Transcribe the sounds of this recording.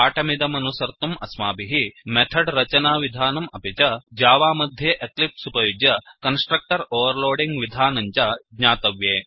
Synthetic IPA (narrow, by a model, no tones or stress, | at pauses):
aːʈɐmid̪ɐmɐnusɐɾt̪ɐmɐsmaːbiɦimet̪ʰɐɖɾɐt͡ʃɐnaːʋid̪ʱaːnɐmɐpit͡ʃɐd͡ʒaːʋaːmɐd̪ʱjeːʔeklip̚supɐjuɡjɐkɐnsʈɾɐk̚ʈɐɾoːʋɐɾloːɖiŋɡʋid̪ʱaːnɐɲt͡ʃɐɡɲaːt̪ɐʋjeː